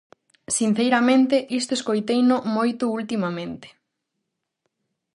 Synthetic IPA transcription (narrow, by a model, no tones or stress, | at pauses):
sin̟θejɾamẽnt̪eʔist̪ʊeskojt̪ejnʊmojt̪ʊult̪imamẽnt̪e̥